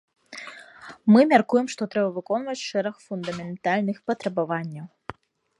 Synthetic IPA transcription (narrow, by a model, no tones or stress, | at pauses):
mɨmʲarkujɛmʂt̪ɔt̪ɾɛbɐvɨkɔnvɐt͡sʲʂɛɾɐxfund̪ɐmʲɛnt̪alʲnɨxpɐt̪ɾɐbavanʲːɐw